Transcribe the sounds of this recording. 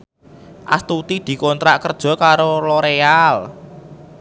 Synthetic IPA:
ʔa̰st̪ut̪id̪̥i̤kont̪ɾaʔkərd̥ʒ̥ɔ̤kaɾolɔɾeal

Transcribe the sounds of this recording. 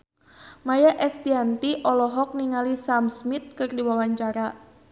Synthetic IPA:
majaʔɛst̪iant̪iʔɔlɔɦɔk̚niŋalisamsmit̪̚kɨrdiwawaɲt͡ʃaɾa

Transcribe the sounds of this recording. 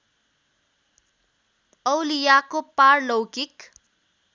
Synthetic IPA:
ʌwlijakoparlowkik

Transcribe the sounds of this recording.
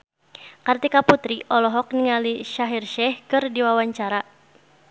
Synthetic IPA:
kart̪ikaput̪ɾiʔɔlɔɦɔk̚niŋaliʃaɦirʃɛhkɨrdiwawaɲt͡ʃaɾa

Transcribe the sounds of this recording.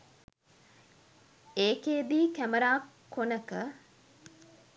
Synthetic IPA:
eːkeːbiːkæməɾaːkʰː | onəkə

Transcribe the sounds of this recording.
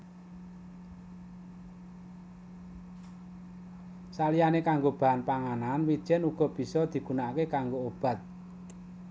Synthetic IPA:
salijanekaŋɡob̥a̤anpaŋananwid̥ʒ̥ɛ̤nuɡ̥ɔ̤b̥i̤sɔd̪̥i̤ɡ̥unakekaŋɡoob̥a̤t̪̚

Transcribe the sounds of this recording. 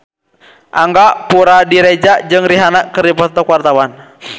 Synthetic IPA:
ʔaŋɡaʔpuɾadiɾɛd͡ʒaʔd͡ʒɨŋriɦanakəɾipɔt̪ɔkuwart̪awan

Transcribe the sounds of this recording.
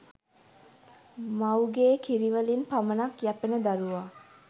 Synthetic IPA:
mawɡeːkʰiɾiʋəlinpamənakjæpenəd̪aɾuʋa

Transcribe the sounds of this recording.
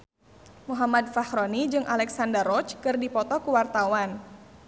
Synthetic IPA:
muɦamad̪̚fahɾɔnid͡ʒɨŋʔalɛksandərɔt͡ʃkɨrdipɔt̪ɔkuwart̪awan

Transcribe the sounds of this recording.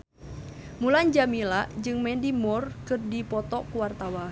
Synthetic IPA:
muland͡ʒamilaʔd͡ʒɨŋmɛndimɔrkɨrdipɔt̪ɔkuwart̪awa

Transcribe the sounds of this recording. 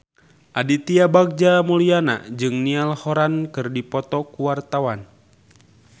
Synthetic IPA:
ʔadit̪iabak̚d͡ʒamuliana̰d͡ʒɨŋnialhoɾankɨrdipɔt̪ɔkuwart̪awan

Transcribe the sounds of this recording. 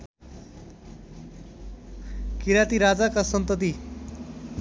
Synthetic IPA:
kiɾat̪iɾad͡zakasʌnt̪ʌt̪̬i

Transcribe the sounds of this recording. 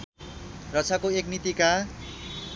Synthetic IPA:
rʌt͡sʰakoeknit̪ika

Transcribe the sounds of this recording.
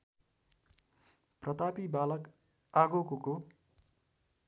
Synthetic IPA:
prʌt̪apibalʌk | aɡokoko

